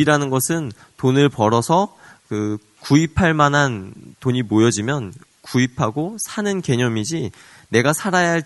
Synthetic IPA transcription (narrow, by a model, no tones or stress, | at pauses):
ɾanɯnɡʌsʰɯn | tonɯɭpʌɾʌsʰʌ | kɯ | kuipʰaɭmanɦantoɲimojʌd͡ʑimjʌn | kuipʰaɡosʰanɯnke̞ɲʌmid͡ʑi | ne̞ɡasʰaɾajaɦaɭ